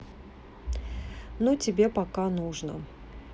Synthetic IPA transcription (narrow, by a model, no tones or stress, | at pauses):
nutʲɪbʲepɐkanuʐnə